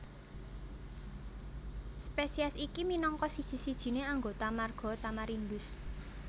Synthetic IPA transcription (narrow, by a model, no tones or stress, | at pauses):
spesiasikiminɔŋkɔsi̥sisid̥ʒ̥i̤neaŋɡot̪amarɡ̥ɔ̤t̪amaɾind̪ʊs